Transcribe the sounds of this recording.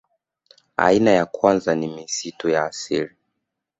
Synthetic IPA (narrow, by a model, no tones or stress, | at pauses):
a̰inajakwanzanimisitujaːsiɾi